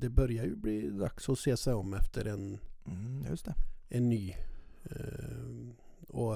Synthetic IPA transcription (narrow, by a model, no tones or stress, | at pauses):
d̪̥ɛbœɾjəjʊbliːd̪ɑksɔseːsæɪɔmɛft̪ʰəɾɛn | st̪ɛɛnːyː | ɔ